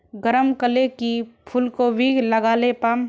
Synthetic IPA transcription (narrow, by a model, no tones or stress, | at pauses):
ɡəɾəmkəlekipʰʊlkoʋiːɡləɡaːlepaːm